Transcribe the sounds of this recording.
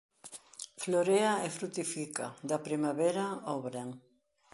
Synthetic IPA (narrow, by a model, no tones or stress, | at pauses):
floɾeaefɾut̪ifikad̪ɐpɾimaβeɾaoβɾeŋ